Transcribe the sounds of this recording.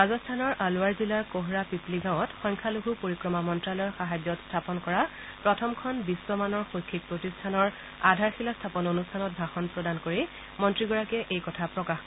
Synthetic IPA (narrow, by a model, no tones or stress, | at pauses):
azɔstʰanɔɹʔalʊaɹzilaɹkoɦɹapipliɡãw̃ɔtxɔjŋkʰaluɡʱupoɹikɹɔmamɔntɹalɔɔɹxaɦad͡ʑɔtstʰapɔnkɔɹa | pɹɔtʰɔmkʰɔnbiswɔmanɔɹxojkʰːik̚pɹotistʰanɔɹ | adʱaɹxilastʰapɔnonustʰanɔt̚bʱaxɔnpɹɔdankoɹi | mɔntɹiɡɔɹakɛʔejkɔtʰapɹɔkax